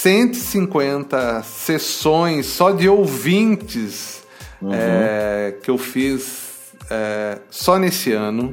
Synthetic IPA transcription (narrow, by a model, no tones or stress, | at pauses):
sẽnt̪ʊisĩŋkwẽnt̪ɐsesõj̃sːɔd͡ʒɪowvĩnt͡ʃɪs | ɛkɪewfis | ɛsɔnesɪɐ̃nʊ